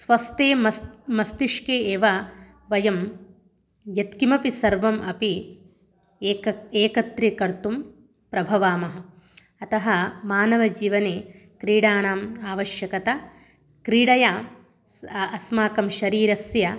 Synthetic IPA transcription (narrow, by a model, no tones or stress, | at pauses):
sʋɐst̪eːmɐmɐst̪iʂkeːeːʋɐ | ʋɐjɐm | jɐt̪kimɐpisɐɾʋɐmʔɐpi | eːkɐt̪ɾikɐɾt̪um | pɾɐbʱɐʋaːmɐɦɐ̆ | ɐt̪ɐɦɐmaːnɐʋɐd͡ʒiːʋɐneː | kɾiːɽaːnaːmaːʋɐʃjɐkɐt̪ɐ | kɾiːɽɐjaː | ɐsmaːkɐmʃɐɾiːɾɐsjɐ